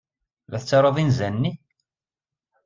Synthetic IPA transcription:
læθət͡sːɑɾˤoðˤinzænːi

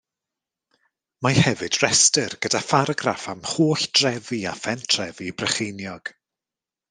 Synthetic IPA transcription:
mahɛvɨd̥rɛstərɡ̥ədafaɾɡrafamhoːɬd̥rɛvia̰fɛntʰrɛvibrɛχejnjɔɡ̥

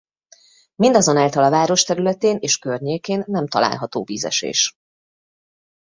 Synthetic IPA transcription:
mind̪ɒzo̞naːlt̪ɒlɒvaːɾo̞ʃt̪ɛɾylɛt̪eːneːʃkørɲeːkeːnːɛmt̪ɒ̰lʔa̰ːlɦɒt̪oːviːzɛ̰ʃḛːʃ

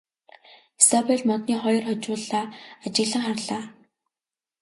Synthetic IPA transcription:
esɔpeɮmɔt̪niːχɔjɞ̆rχɔt͡ɕʊːɮaːat͡ɕɪ̆ɣɮə̆ŋχarɮaː

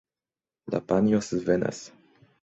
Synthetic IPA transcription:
la̰panjosɨvena̰s

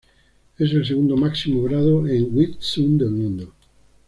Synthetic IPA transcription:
es̬els̬eɣũnd̪omaksimoɣɾaðoeŋɡwit̪sond̪elmũnd̪o

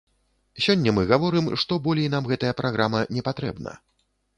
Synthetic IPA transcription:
sʲɔnʲːɐmɨɣavɔɾɨmʂt̪ɔbɔlʲɛjnamɣɛt̪ɐjɐpɾʔaɣɾamɐnʲɛpat̪ɾɛ̰bnɐ̰

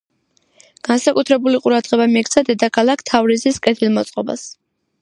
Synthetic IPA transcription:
ɡ̥ansakʼut̪ʰɾɛbuliqʼuɾad̪̥ʁɛbamiɛkʰt̪sʰad̪ɛd̪akʰalˠakʰt̪ʰavɾiziskʼɛt̪ʰilˠmɔt̪sʼqʼɔba̰s

